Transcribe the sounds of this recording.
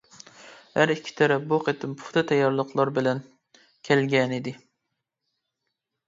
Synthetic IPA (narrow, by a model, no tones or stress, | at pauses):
hæɾikʲʰːi̥t̪ʰɛɾɛboqet̪ʰɪmpʰʊ̥χt̪ʰɨt̪ʰɛjːɑɾlˠəqlˠɑɾbɪlɛn | kʲʰælɡʲɛnɪd̪ɪ